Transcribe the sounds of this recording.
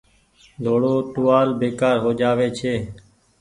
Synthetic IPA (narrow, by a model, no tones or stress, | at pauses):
d̪ʱoːɽoːʈʊːʋaːlbeːkaːɾɦoːd͡ʒaːʋeːt͡ʃʰeː